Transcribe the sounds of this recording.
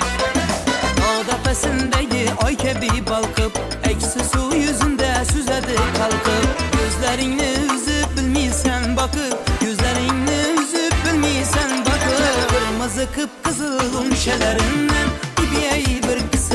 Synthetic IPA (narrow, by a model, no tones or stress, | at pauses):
bɑʁd̪ɑpæsɪnd̪æɡʲɪɒjkʲʰæbibɑlˠqʰɨp | ækʲʰɪ̥sɪsujɵzɪnd̪æsɵzæd̪ɪqʰɑlˠqʰɨp̚jɵzlæɾɪŋnɪʊzɪp̚bɪlmejsænbɑqɨjʰɵzlæɾɪŋnɪʊzɪp̚bɪlmejsænbɑqəbɪɾmɨzɨqʰɨp̚qʰəzɨlˠlʊmʃælæɾɪŋnænɪbijæjbɪɾkʲʰɪ̥sɪ